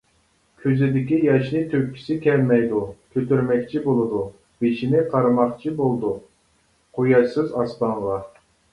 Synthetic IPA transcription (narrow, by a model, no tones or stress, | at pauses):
kʲʰyzɪd̪ɪkʲijɑʃnɨt̪ʰøpʲkʲʰːi̥sɪkʲʰɛlmɛjd̪ukʲʰøt̪yɾmɛkʲt͡ʃʰibolˠɨd̪u | b̥et͡ʃinɪqʰɑɾɨmɑχt͡ʃʰibolˠd̪u | qʰojɑʃsɨzɑst̪ɑɴʁɑ